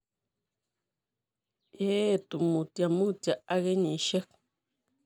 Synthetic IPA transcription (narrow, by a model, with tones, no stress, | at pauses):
e˦t̪u˨mu˨t̪ja˨mu˦t̪ʲa˨ʔa˦ɣe˦ɲẽ˨ʃe˦k